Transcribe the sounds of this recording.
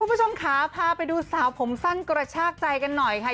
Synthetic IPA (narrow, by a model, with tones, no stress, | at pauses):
u˥˩˨bu˦˥˩t͡ɕʰo˧mkʰaː˦pʰaː˧pa˧jduː˧saː˩˦wpʰo˩˦msa˥˩ŋkɾa˧t͡ɕʰaː˥˩k̚t͡ɕa˧jka˧nːɔ˨˩jkʰa˦˥˩